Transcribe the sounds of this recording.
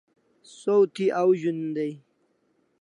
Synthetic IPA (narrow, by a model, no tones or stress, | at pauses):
sowt̪ʰiʔawʑund̪aj